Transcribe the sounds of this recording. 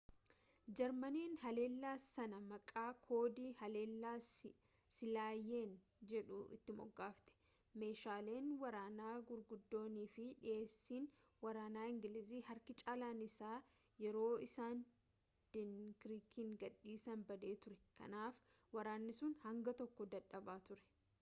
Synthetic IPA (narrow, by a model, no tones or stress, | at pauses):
d͡ʒɛɾmɐniːnhɐle̞ːlːaːsɐnɐmɐkʼaːkʰo̞ːd̪iːhɐle̞ːlːaːs | sɪlaːjeːn | d͡ʒɛᶑʊ̰ʔɪ̰t̪ːɪmɔ̰ɡːaːft̪ɛ̥ | me̞ːʃaːle̞ːnwɐɾaːnaːɡʊɾɡʊd̪ːo̞ːniːfɪᶑɪʔe̞ːsːiːn | wɐɾaːnaːɪŋɡɪlɪziːhɐɾkɪt͡ʃʼaːlaːnɪsaː | jɛɾo̞ːɪsaːn | d̪̥ɪnkɾiːkʰɪŋɡɐᶑːiːsɐnbɐd̪e̞ːt̪ʊɾɛkɐ̰naːf | wɐɾaːnːɪsʊnhɐŋɡɐt̪ɔkːɔd̪ɐᶑɐbaːt̪ʊɾɛ̥